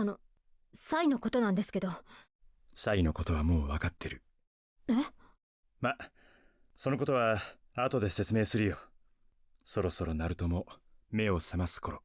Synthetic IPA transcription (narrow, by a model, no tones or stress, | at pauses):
ano̞ | saino̞ko̞t̪o̞nãnd̪esɨ̥ke̞d̪o̞ | saino̞ko̞t̪o̞βamo̞ːβakat̪ːe̞ɾɯ̟ | e | ma | so̞no̞ko̞t̪o̞β̞a | aːt̪o̞d̪e̞se̞t͡sɨme̞ːsɨɾɯ̟jo̞ | so̞ɾo̞so̞ɾo̞naɾɯ̟t̪o̞mo̞me̞o̞semasɨ̥kʰo̞ɾo